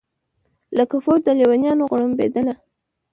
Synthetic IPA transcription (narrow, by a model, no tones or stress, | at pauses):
lakafoɾd̪əlewanjɑnoɣɽəmbed̪əla